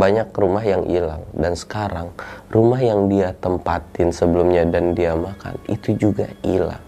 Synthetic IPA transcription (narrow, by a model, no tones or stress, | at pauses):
baɲak̚rumaɦjaŋʔḭla̰ŋdansə̥kaɾaŋrumahjaŋdiat̪əmpat̪ɪnsəbəlumɲadandiamaka̰nḭt̪ud͡ʒuɡa̰ila̰ŋ